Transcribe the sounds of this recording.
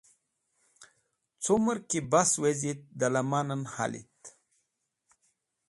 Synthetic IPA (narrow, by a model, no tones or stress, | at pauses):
t͡suməɾkibaswezit̪̚d̪alamananha̰lḭt̪